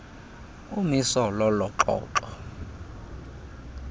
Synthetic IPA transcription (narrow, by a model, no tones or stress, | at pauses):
umisɔlɔlɔǁɔ̰ːǃɔ